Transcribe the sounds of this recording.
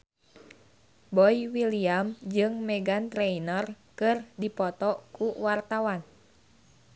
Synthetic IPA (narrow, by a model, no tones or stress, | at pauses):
bɔiwiliamd͡ʒɨŋmɛɡant̪ɾɛinər | kɨrdipɔt̪ɔkuwart̪awan